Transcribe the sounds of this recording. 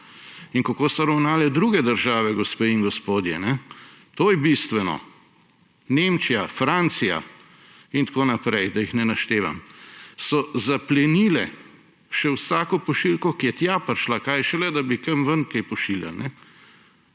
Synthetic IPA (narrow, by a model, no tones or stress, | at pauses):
iŋkakosɔɾɐwnaːlɛd̪ɾuɡɛd̪əɾʒaːʋɛɡɔspeːiŋɡɔspoːd̪jɛ̰nɛt̪oːjɛbist̪ʋɛnɔ̰ | nemt͡ʃijafɾant̪sija̰ | int̪koːnapɾɛjd̪ɐjixnɛnaʃt̪eːʋa̰msɔzaplɛniːlɛ | ʃɛwsaːkɔpɔʃilkɔkijɛt̪japɐɾʃlakajʃɛlɛd̪abikɐmʋənkɛjpɔʃilja̰lnɛ